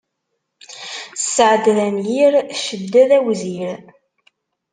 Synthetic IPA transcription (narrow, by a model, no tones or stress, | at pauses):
sːəʕəd̪ðænjiɾʃəd̪ːæðæwziɾ